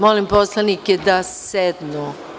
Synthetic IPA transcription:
molimposlˠanikjed̪asɛd̪no

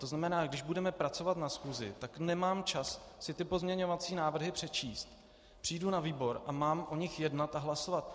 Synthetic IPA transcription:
t̪oznamɛnaːɡdɪʒbudɛmɛpɾat͡so̞vat̪nasxuːzɪ̰t̪aknɛmaːmt͡ʃassɪt̪ɪpo̞zmɲɛɲo̞vat͡siːnaːvr̩ɦɪpr̝̥ɛt͡ʃiːst̪ | pr̥iːjdunaviːbo̞ɾʔamaːmʔoɲɪxjɛdnat̪aɦlaso̞vat̪̚

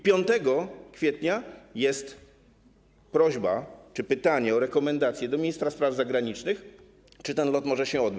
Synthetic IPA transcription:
pʲjɔnt̪ɛɡɔkfʲjɛt̪ɲajɛst̪ | pɾɔʑbat͡ʂɘpɘt̪aɲɛɔɾɛkɔmɛnd̪at̪sʲjɛd̪ɔmʲejst̪ɾaspɾavzaɡɾaɲit͡ʂnɘx | t͡ʂɘt̪ɛnlɔt̪mɔʐɛɕɛɔd̪bɘt͡ɕ

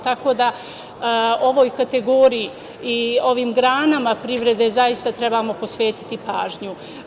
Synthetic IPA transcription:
t̪ako̞ːd̪a | o̞ʋo̞ːjkat̪e̞ɡo̞ɾijiː | o̞ʋiːmɡɾaːnamapɾiʋɾe̞d̪e̞zajist̪at̪ɾe̞bamo̞po̞sʋe̞ːt̪i̥t̪ipaːʒɲu

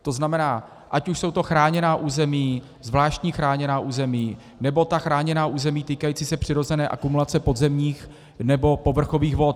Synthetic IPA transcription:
t̪o̞znamɛnaː | ʔacuʃso̞wt̪oxɾaːɲɛnaːʔuːzɛmiː | zvlaːʃtɲiːxɾaːɲɛnaːʔuːzɛmiː | nɛbo̞t̪axɾaːɲɛnaːʔuːzɛmiːt̪iːkajiːt͡siːsɛpr̝̥ɪɾo̞zɛnɛːʔakumulat͡sɛpo̞d̪zɛmɲiːx | nɛbo̞po̞vr̩xo̞viːxvo̞t̪̚

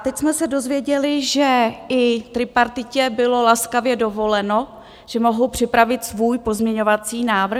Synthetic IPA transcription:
t̪ɛcsmɛsɛdo̞zvjɛɟɛlɪʒɛɪt̪ɾɪpaɾt̪ɪcɛbɪlo̞laskavjɛdo̞vo̞lɛno̞ | ʒ̥ɛmo̞ɦowpr̝̥ɪpɾavɪt̪svuːjpo̞zmɲɛɲo̞vat͡siːnaːvɾ̩

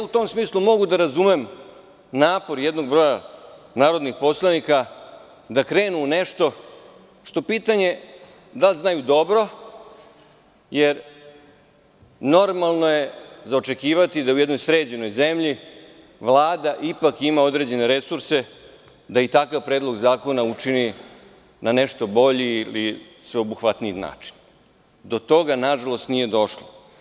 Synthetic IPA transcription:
ut̪o̞msmiːslˠumo̞ɡud̪aɾazumem | naːpo̞ɾjed̪no̞ɡ̚bɾo̞ja | naːɾo̞d̪nixpo̞slˠanika | d̪akɾe̞ːnuneʂt̪o̞ | ʂt̪o̞piːt̪aɲe̞ | d̪alʲznajud̪o̞bɾo̞ | jeɾ | no̞ɾmalˠno̞je̞zaot͡ʃe̞kiːʋat̪id̪aujed̪nojsɾe̞ːd͡ʑeno̞jzemʎi | ʋlˠaːd̪aʔipakimaod̪ɾe̞d͡ʑe̞ne̞ɾe̞suɾse | d̪ait̪akaʋpɾeːd̪lˠo̞ɡzaːko̞naut͡ʃini | nane̞ʃt̪o̞bo̞ʎiili | sʋeobuxʋat̪nijina̰ːt͡ʃi̥n | d̪o̞t̪o̞ɡanaʒalˠo̞st̪nije̞d̪o̞ʃlo

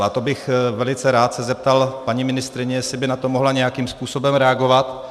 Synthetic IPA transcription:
at̪o̞bɪxvɛlɪt͡sɛɾaːt̪sɛzɛp̚t̪alpaɲimɪnɪst̪ɾɪɲɛjɛsɪbɪnat̪o̞moɦlaɲɛjakiːmspuːso̞bɛmɾɛaɡo̞vat̪

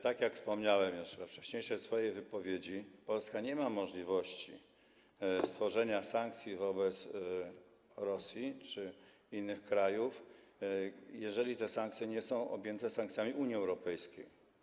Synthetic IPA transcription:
t̪akʲjakfspɔmɲawɛmjuʂvɛft͡ʂɛ̥ɕɲejʂɛsfɔjejvɘpɔvʲjed͡ʑipɔlskaɲɛmamɔʐlʲivɔɕt͡ɕḭ | st̪fɔʐɛɲasaŋk̚t̪sʲjivɔbɛt̪s | ɾɔsʲjit͡ʂɘ | inːɘxkɾajuf | jɛʐɛlʲit̪ɛsaŋk̪̚sʲjɛɲɛsɔ̃w̃ʔɔ̰bʲjɛnt̪ɛsãŋkt̪sʲamʲiuɲiɛwɾɔpɛjskʲej

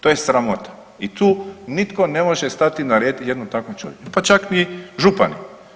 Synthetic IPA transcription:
t̪oje̞sɾamo̞t̪ḁ | it̪uːnit̪ko̞ne̞moʒest̪at̪inaɾeːd̪jed̪nut̪akʋomt͡ʃo̰ʋjet͡ʃupat͡ʃakniɛʒupa̰nḭ

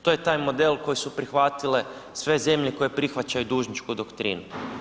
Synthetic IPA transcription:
t̪ojet̪aːjmo̞d̪e̞lˠko̞jisupɾixʋat̪ile̞ | sʋe̞ze̞mʎeko̞jepɾixʋat͡ɕajud̪uːʒnit͡ʃkud̪okt̪ɾḭːnu

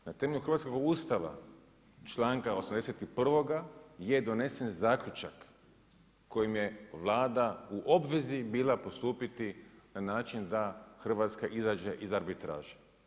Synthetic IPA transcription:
nat̪eme̞ʎʲuxr̩ʋat̪skoɡust̪aʋa̰ | t͡ʃlˠaːŋkaosamd̪eset̪ipr̩ʋo̞ɡajed̪o̞ne̞se̞nzaːklʲʎut͡ʃa̰kː | o̞jimje̞ʋlˠaːd̪auʔo̞bʋe̞zibiːlapo̞st̪uːpit̪inanaːt͡ʃind̪axr̩ʋaːt̪skaʔizaːd͡ʒeʔizaɾbit̪ɾa̰ːʒe̥

